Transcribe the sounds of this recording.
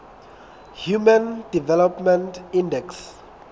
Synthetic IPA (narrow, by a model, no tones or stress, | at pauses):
hjumãndivɛlɔpmɛ̃ntĩndɛks